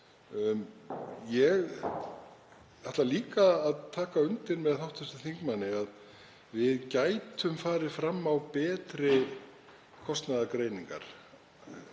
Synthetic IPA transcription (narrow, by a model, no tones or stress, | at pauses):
jɛɣ | θɛht̪laliːkaːðt̪ʰaːkaʏnt̪ɪɾmɛðθawht̪ɛst̪ɪθiŋkmanːɪað | vɪðcaːjt̪ʏmfaːɾɪ̥fɾamːawpɛːt̪ɾɪ | kʰɔst̪naðakɾeːjniŋka̰ɾ̥